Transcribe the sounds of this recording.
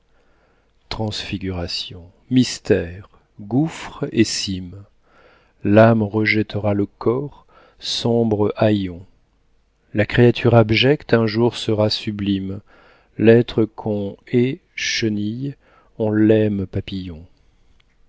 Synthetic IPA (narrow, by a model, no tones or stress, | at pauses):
t̪χɑ̃sfiɡʲyʁasjɔ̃ | mist̪ɛʁ | ɡufχesim | lamʁəʒɛt̪əʁaləkʰɔʁ | sɔ̃bʁəʔajɔ̃ | lakχeat̪ʰyʁabʒɛkt̪ɛ̃ʒuʁsəʁasyblim | lɛt̪χəkʰɔ̃ɛ | ʃənij | ɔ̃lɛmpapijɔ̃